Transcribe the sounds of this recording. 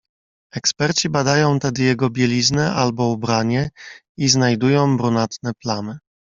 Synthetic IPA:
ɛkspɛɾt͡ɕibad̪ajɔ̃w̃t̪ɛd̪ɘjɛɡɔbʲjɛlʲiznɛʔalbɔubɾaɲɛ | iznajd̪ujɔ̃w̃bɾunat̪nɛplanɘ

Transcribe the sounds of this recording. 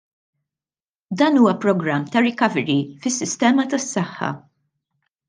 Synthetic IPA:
d̪ɐːnuːwɐpɾɔɡɾɐmːt̪ɐɾɪkɐvɛɾifɪsːɪst̪ɛːmɐt̪ɐsːɐħːɐ̰

